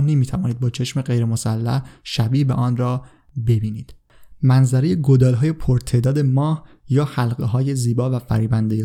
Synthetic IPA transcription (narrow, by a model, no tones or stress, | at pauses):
nemiːt̪ʰævɒːniːd̪̚bɒːt͡ʃʰe̞ʃmeɢejɾemosælːæ̰hʃæbiːʔbeʔɒːnrɒː | be̞biːniːd̪̥ | mænzæɾejeɡod̪ɒːlɦɒːje̞pʰoɾt̪ʰe̞d̪ɒːd̪e̞mɒːh | jɒːhælɢeɦɒːje̞ziːbɒːvæfæ̰ɾiːbænd̪eje